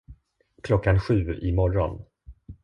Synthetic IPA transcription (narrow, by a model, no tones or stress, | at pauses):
kʰlɔkːanɧʉ̟ːɪmɔɾɔn